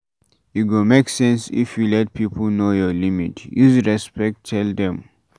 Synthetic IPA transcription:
juɡomeksɛ̃nsḭfjulɛt̚pʰipʰl̩nojɔlimitjuzɹɛspɛk̚tʰːɛldɛ̃m

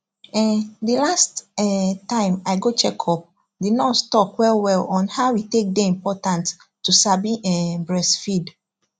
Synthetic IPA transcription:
ɛndəlastɛtãɪ̃maɪɡot͡ʃɛkʰɔp̚ | didnɔtstɔkwɛlwɛlɔ̃nhaʊwitek̚deĩmpɔtãnt | tːusabiʔɛbɹɛsfid

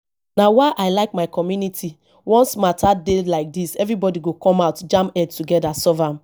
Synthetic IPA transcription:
nawaɪʔaɪlaɪkmaɪkɔmjunitʰi | wɔ̃nsmatʰadelaɪk̚disɛvɾibɔdiɡokɔ̃maʊtd͡ʒãmpɛdtuɡɛdasɔvam̩

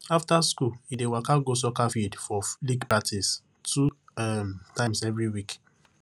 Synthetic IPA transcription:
aftaskulidewakaɡos̬okafidfɔliɡpatʰis | tʰuɛmtãɪ̃msɛvɹiwik

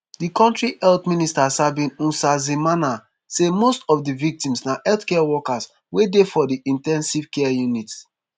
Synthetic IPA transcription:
dikɔ̃ntɹiʔɛltmĩnistashabĩnũnsazimana | semostɔfdivik̚tĩmsnaʔɛltkɛawɔkas | wedefɔdiʔĩntɛ̃nsivkɛjunit

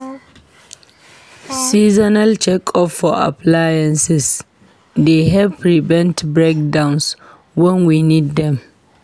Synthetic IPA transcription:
sizɔnalt͡ʃʰɛkʰɔfɔa̰pʰlajɛ̃nsɪs | deɦɛvpʰɹivɛ̃ntbɹek̚dãʊ̃ns | wɛ̃nwinidːɛ̃m

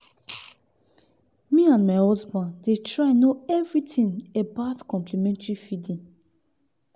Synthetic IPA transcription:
miãnmaɪhɔzbãnddetʰɹãnːoɛvɹitʰĩŋebaʊtkɔ̃mplimɛ̃ntɹifidĩŋ

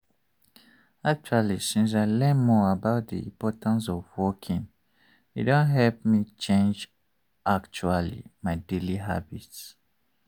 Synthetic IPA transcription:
ak̚t͡ʃualisĩns̬aɪlɛ̃nmɔabaʊt̚dḭḭ̃mpɔtãns̬ɔvwɔkʰĩn | jṵdõnɦɛlp̚mit͡ʃẽnd͡ʒ | ʔak̚t͡ʃualḭmaɪdeliɦa̰bits

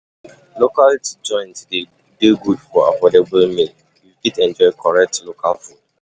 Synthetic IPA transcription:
lokaltid͡ʒɔ̃ɪ̃ntde | deɡudfɔa̰fɔdebəlmĩn | juɡidɛ̃nd͡ʒɔɪkʰɔɹɛk̚tlokʰa̰lfũ

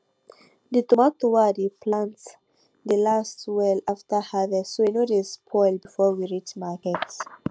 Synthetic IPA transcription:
ditɔmatowadipʰlãnt | dəlastwɛlaftəhavɛsowinodespʰɔɪlbifɔwiɹit͡ʃmakɛts

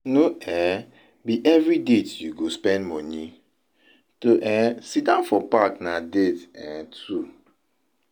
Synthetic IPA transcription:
noɛ | biʔɛvɹidetjuɡospɛ̃ndmɔni | toʔɛsidãnfɔpaknadetɛ̃tʰu

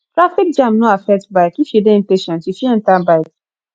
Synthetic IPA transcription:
tɾafik̚d͡ʒãmnõafɛk̚tbaɪkifidẽm̩peʃɛ̃ntifin̩tãbaɪk

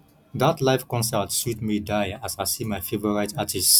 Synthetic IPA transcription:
ðatlaɪfkɔ̃nsɛtsutmidaɪasaɪsimaɪfevɔɹaɪtatʰis

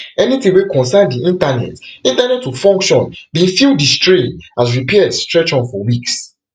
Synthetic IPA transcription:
ɛnitĩwekɔ̃nsãndiĩntanɛ̰tĩntanɛtːufɔ̃ŋkʃɔ̃nbĩfildistɹĩnasɹipʰɛɛdstɹɛt͡ʃɔ̃nfɔwiks

